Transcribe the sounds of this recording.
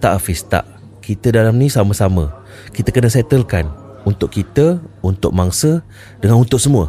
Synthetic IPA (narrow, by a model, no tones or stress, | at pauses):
t̪aʔafist̪a̰ʔ | kit̪ədalamnĩsamə̃samə̃ | kit̪əkənəsɛt̪əlkan | unt̪ʊʔkit̪əunt̪ʊk̚maŋsə | dəŋanunt̪ʊʔsəmũə